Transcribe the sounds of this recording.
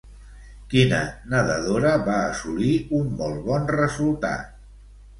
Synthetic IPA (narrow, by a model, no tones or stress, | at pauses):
kinə̰nəðəðoɾəβaːsuliumːɔlˠβɔnrəzulˠt̪a̰t̪